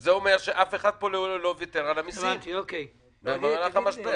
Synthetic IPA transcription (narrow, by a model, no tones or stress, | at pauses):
zeomeʁʃeʔafeχad̪̚poleulovjot̪eʁalamisoke | nemaʁalaχamaʃte